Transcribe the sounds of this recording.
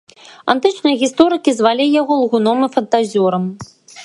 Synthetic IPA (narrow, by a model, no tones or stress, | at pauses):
a̰nt̪ɨt͡ʂnɨjɐɣʲist̪ɔɾɨkʲizvalʲɛjaɣɔlˠɣunɔmɨfɐnt̪azʲɔɾɐm